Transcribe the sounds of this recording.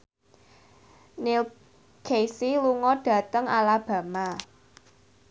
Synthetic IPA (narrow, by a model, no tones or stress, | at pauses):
nil | kʰejsiluŋɔɖ̥ä̤t̪əŋalab̥ä̤ma